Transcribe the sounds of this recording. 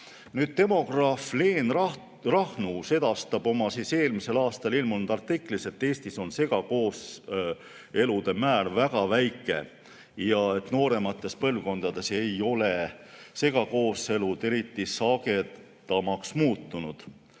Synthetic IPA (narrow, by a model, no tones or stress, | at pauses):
nyːd̪̥̚t̪e̞mo̞ɡ̥rɑfleːn | rɑhnuse̞d̪̥ɑst̪ɑb̥o̞mɑsiːse̞ːlmise̞lɑːst̪ɑlilmulnud̪̥ɑrt̪ːikːˑlise̞t̪ːe̞ːsʲt̪iso̞nse̞ɡ̥ɑko̞ːs | e̞lud̪̥e̞mæːlvæɡ̥ɑvæjkːˑe̞̰ | jɑe̞t̪no̞ːɾe̞mɑt̪ːˑe̞spɤlvko̞nd̪̥ɑd̪e̞se̞jo̞le̞se̞ɡ̥ɑko̞ːse̞lud̪̥e̞ɾit̪ːisɑɡe̞̥ | ɑmɑksmuːt̪ːˑunud̪̥